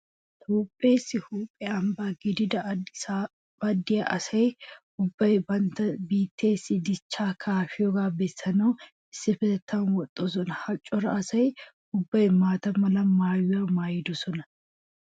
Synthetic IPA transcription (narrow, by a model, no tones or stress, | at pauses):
t̪ʰoːpʼːeːsːɪhuːpʼːɛɐmbaːɡɪd̪ɪd̪ɐ | b̥ɐd̪ːɪjɐʔɐsɐj | ʊbːɐjbɐnt̪ɐbiːt̪ːe̞ːsːɪd̪ɪt͡ʃːaːkʰaːfɪjɔɡaːbɛsːɐnɐw | ɪsːɪfɛɛt̪ʰːaːnwɔt̪ʼːɔsɔnɐhɐt͡ʃʼːɔɾɐ̰ɐsɐj | ʊbːɐjmaːt̪ɐmɐlɐmaːjʊamaːjɪd̪ʊsɔnɐ